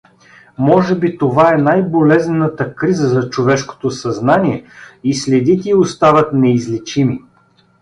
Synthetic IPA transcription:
mɔʒɛbit̪ovaɛnajbolɛznɛnət̪əkɾizəzɐt͡ʃovɛʃko̥t̪osɐznaniɛislɛd̪it̪ʲɛiost̪avət̪nɛizlit͡ʃimi

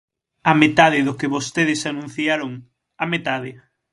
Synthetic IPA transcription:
ɐmet̪aðɪðʊkɪβost̪eðɪsanũn̟θjaɾoŋ | amet̪aðɪ

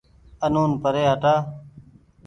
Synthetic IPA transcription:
ənoːnpəɾeːɦəʈaː

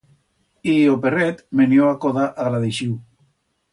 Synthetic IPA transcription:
ioperet̪menjoakoðaʔaɣlaðeʃiw

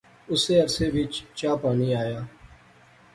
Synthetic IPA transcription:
ʊseːəɾseːʋɪt͡ʃt͡ʃaːpaːniːaːjaː

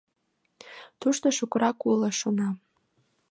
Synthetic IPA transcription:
tʰuʂtaʂukʷʼrakʷʰʼulaʂona

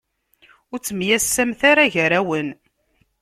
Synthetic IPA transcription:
ʊɾt͡sːəmjæsːæmθaɾaʝəɾæwən

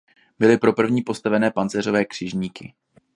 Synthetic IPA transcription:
bɪlɪpɾo̞pr̩vɲiːpo̞st̪avɛnɛːpant͡sɛr̝o̞vɛːkr̥ɪʒɲiːkɪ

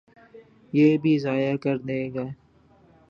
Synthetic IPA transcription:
jeːbʱizaːjakɐɾd̪eːɡaː

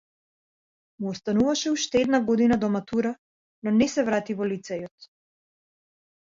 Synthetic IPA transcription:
muɔst̪anuvaʃɛuʃt̪ɛɛd̪naɡɔd̪inad̪ɔmat̪uɾa | nɔnɛsɛvɾat̪ivɔlit̪sɛjɔt̪

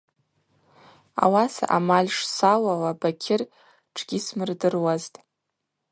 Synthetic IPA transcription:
a̰wasa̰ʔamalʲʂsalawabakʲʰɪr | ʈ͡ʂʰɡʲismɨrdɨrwaztʼ

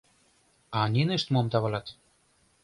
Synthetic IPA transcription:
ɑnʲineʃt̪momt̪ɑβɑlɑt̪

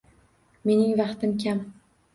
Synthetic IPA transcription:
me̞nɪŋvɑqt̪ɪmkʲʰam

